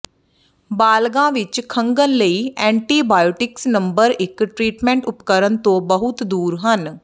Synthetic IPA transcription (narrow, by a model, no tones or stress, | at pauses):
baːlɡãːʋɪt͡ʃkʰəŋɡənləiːɛ̃ːɳʈiːbaːjoːʈɪksnəmbəɾɪkʈɾiːʈmɛ̃ɳʈʊpkəɾənt̪õːbəɦʊt̪d̪uːɾɦən